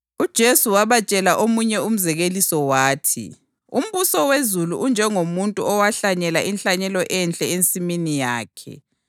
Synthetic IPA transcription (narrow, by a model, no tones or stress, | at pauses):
ud̥ʒ̥ʱesuwaβat͡ʃʼɛlaʔomuɲɛum̩zɛɣelisɔwaːtʰḭ | ṵm̩βusɔwezuluʔund͡ʒʱɛŋomuntʼuɔwaɬaɲɛlaʔinɬaɲɛlɔʔɛnt͡ɬʼɛent͡sʼiminijaːkʰɛ̰